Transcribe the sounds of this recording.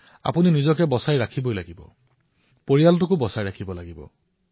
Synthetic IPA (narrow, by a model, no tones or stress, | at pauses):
a̰puninizɔkɛbɔsajɹakʰibojlaɡibɔ̰ | poɹijalt̬ʊkʊbɔsajɹakʰibɔlaɡibɔ̰